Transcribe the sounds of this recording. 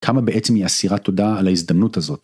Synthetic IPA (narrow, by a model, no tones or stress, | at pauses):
kʰamabeʔet͡semiasiʁat̪o̞daːlaizd̪ɐmnutazo̞t̪